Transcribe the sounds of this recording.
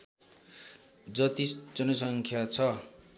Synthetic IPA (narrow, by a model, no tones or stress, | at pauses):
d͡zʌt̪isd͡zʌnʌsʌŋkʰjat͡sʰʌ